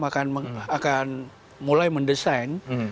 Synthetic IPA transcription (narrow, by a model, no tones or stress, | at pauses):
makanməakan | mulajməndəsajn